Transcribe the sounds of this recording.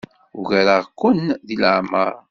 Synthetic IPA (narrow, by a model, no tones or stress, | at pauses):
uʝæɾəʁkʷːʊnðilʕməɾ